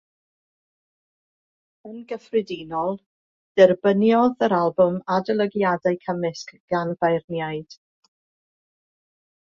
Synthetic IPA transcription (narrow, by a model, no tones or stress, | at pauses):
ənɡəfrɪdinɔlˠ | d̥ɛrbənjɔðəɾalˠbʊmadəlˠəɡjadaɨkʰəmɪskɡ̥anvajrnjaɨd̥